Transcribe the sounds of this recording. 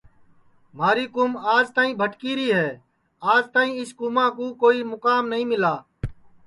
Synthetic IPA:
maːɾiːkʊːmaːd͡ʒt̪aːĩːbʱəʈkiːɾiːɦɛː | aːd͡ʒt̪aːɦĩːɪskuːmãːkũːkoːiːmʊkaːmnəɦĩːmɪlaː

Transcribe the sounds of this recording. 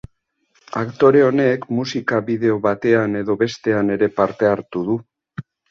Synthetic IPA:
a̰kt̪o̞ɾe̞o̞ne̞kmusikaβiðe̞o̞βat̪e̞ane̞ðo̞βe̞st̪e̞ane̞ɾe̞paɾt̪e̞aɾt̪uð̞u

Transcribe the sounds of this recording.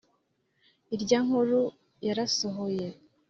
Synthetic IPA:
iɾɟaːŋhuɾu | jaɾasoɦoje̞

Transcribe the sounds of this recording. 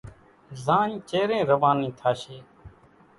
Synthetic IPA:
zãːĩːt͡ʃeːɾẽːɾəʋãːnĩːt̪ʰaːʃeː

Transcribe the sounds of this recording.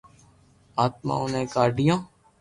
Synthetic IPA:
aːt̪̚mã̰ːonẽːkaːɾɖijãː

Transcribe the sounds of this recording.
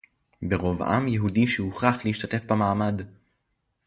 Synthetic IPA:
beʁo̞vʔa̰mjeɦudiʃehuχaχleiʃt̪ate̞fbamaːmad

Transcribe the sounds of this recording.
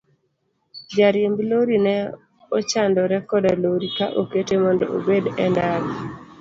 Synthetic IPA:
d͡ʒaɾjembloɾinɛ | ot͡ʃandɔɾɛkɔdaloɾikaʔoketemɔndɔ̰ʔo̰bedɛndaɾɔ

